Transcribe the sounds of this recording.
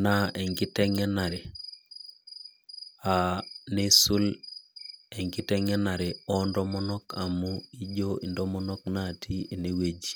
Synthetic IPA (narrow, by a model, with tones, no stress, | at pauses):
na˦ɛ˨ŋɡi˦tɛ˦ŋɛ˦na˨ɾe˨ | a˨ne˦su˦l | ɛ˨ŋɡi˦tɛ˦ŋɛ˦na˨ɾe˨ɔ˦ndɔ˦mɔ˦nɔ˦ka˨mu˦i˦d͡ʒo˦i˨ndɔ˦mɔ˦nɔ˦k̚na˦˨tʰi˦e˨ne˦we˦d͡ʒi˨